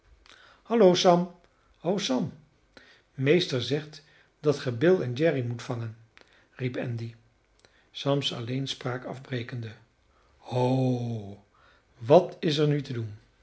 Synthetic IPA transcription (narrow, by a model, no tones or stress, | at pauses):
hɑlowsɑm | owsɑm | mejstəɹzɛχt | d̥ɑtχəbɪlˠɛnd͡ʒɛrimutfɑŋən | ripɛ̰ndi | sɑmsɑ̰lejnspraːkɑ̰vbrejkəndə | o | ʋɑtɪsɛɹnytədun